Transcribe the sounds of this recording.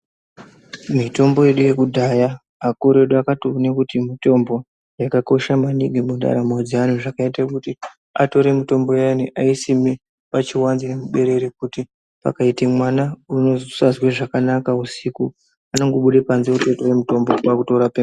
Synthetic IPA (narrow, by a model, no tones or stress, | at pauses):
mito̞mbo̞je̞ɗuje̞kudʱajaː | koɾe̞ɗoakatonekutimito̞mbo̞ | jakako̞ʃamaniɡʱemunda̰ɾamod͡zian̤uʐakaitakuti | a̰to̞ɾe̞mito̞mbo̞janiʔaisime | pat͡ʃiwanzinemuɓe̞ɾe̞ɾek̚uti | pa̰kaitemwanaunozsazweʐakanakausiku | ano̞ŋɡo̞ɓuɗepanziutetowemuto̞mbo̞pakuto̞ɾapen